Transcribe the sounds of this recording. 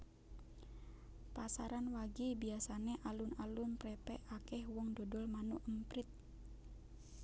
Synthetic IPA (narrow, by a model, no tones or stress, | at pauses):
pasaɾanwaɡibiasanɛʔalunalunpɾɛpɛʔakɛhwɔŋdɔdɔlmanuʔəmpɾit̪̚